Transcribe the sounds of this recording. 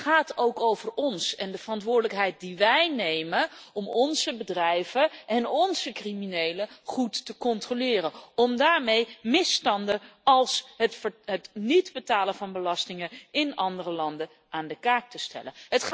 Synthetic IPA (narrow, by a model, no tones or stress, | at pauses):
χaːtowkowvəɹɔnsɛ̰ndəvərɑntʋʊːɹdələkɦɛjt̚diʋɛjnejmənɔmɔnzəbədrɛjvəʔɛnɔnzəkriminejləχutːəkɔntrolɪːrənɔmdaːɹmejmɪstɑndəɑlˠs | ɦətnidbətaːləvɑnbəlɑstɪŋənɪnɑndərəlɑndə | aːndəkaːk̚təstɛ̰lənɦət